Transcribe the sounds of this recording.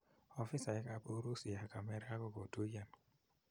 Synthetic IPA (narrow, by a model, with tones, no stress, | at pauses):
ɔ˨fi˦sa˨ɛ˦ka˦po˦ɾo˦si˨a˨ka˨me˦ɾa˦kɔ˦ko˨to˦ja˨n